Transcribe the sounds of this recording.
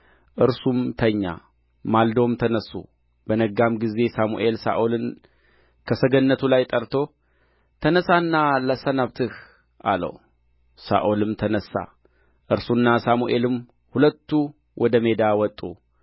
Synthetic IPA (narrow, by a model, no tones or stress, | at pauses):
ʔɨɾsumt̪ʰəɲːa̰ | mald̪o̞mt̪ʰənəsːṵ | b̥ənəɡamɡize̞samṵʔe̞lsa̰ʔolɨn | kʰəsəɡənːət̪ʰulajt̪ʼəɾt̪ʰo̞ | t̪ʰənəsanːaləsənaβt̪ʰɨh | ʔalə̰w | sa̰ʔolɨmt̪ʰənəsːa̰ | ʔɨɾsunːasamuʔe̞lɨm | hulət̪ːu | wʔɔd̪əme̞d̪awɔt̪ʼːṵ